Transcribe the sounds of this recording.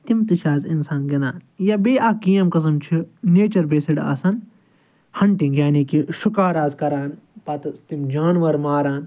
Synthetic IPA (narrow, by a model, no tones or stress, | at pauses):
t̪imt̪iʃaːzinsaːnɡɐnaːnjɐbeːʔakijɐmkɐs̬ɐmt͡ʃʰineːt͡ʃɐɾbeːsiɽa̰ːsɐn | hɐɳʈĩŋɡjaːnikiʃukaːɾaːzkɐɾaːn | pɐt̪ɐst̪imd͡ʒaːnʋɐɾmaːɾaːn